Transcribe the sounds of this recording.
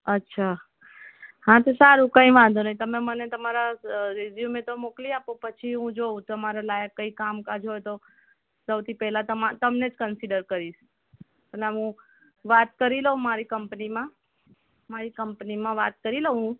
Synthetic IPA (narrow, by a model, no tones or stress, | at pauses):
ətːʃʰa | hãt̪osaɾũkə̃ĩʋãnd̪ʱunaĩt̪əmemənet̪əmaɾaɾeʋjumẽt̪omokliapopət͡ʃʰiɦũd͡ʒõt̪əmaɾalajəkːəikamkad͡ʒɦojt̪o | səwt̪ʰipɛɦlat̪əmat̪əmned͡ʒkənsiɖəɾkəɾiʃ | əlaɦũ | ʋat̪̚kəɾiləɦũmaɾikəmpnimã | maɾikəmpnimãʋat̪̚kəɾiləɦũ